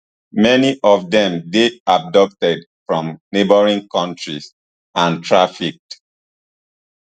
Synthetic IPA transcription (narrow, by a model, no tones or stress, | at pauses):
mɛniʔɔvdɛ̃mdeab̚dɔk̚tɛd | fɹɔ̃mnebəɹĩnkɔ̃ntɹis | ãntʰɹafik̚t